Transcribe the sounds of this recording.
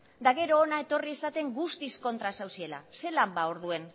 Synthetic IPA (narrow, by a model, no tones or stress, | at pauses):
d̪aɣ̞e̞ɾo̞ːnae̞t̪o̞rie̞sat̪e̞ŋɡust̪isko̞nt̪ɾasawsie̞la̰se̞lambaoɾðue̞n